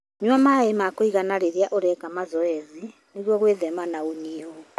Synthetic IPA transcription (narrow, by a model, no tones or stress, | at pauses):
ɲwamaemakoiɣanaɾeɾiaʔoɾɛkamazɔɛzi | neɣwɔɣweðɛmanaoniɔ